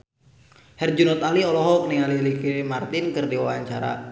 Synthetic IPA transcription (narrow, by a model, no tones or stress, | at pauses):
hɛrd͡ʒunɔt̪aliɔlɔɦɔk̚nialilikemart̪ɪnkɨrdiwawaɲt͡ʃaɾa̰